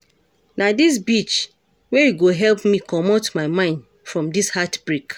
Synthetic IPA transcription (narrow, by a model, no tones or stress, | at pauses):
nadis̬bit͡ʃ | wɛjuɡoɦɛlpmikʰɔmotmaɪmãɪ̃nd | fɹɔ̃mdishatb̥ɹik